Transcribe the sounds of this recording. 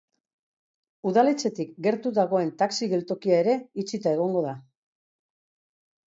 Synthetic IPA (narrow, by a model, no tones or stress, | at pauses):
uðale̞t͡se̞t̪ikɡe̞ɾt̪uðaɣ̞o̞e̞nt̪aksiɣe̞lt̪o̞kiae̞ɾe̞it͡sit̪ae̞ɣ̞o̞ŋɡo̞ða